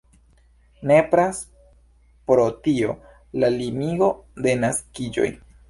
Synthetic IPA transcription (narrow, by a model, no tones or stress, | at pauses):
nepɾas | pɾotio̞̰ | lalimiɡo̞de̞naskid͡ʒo̞̰j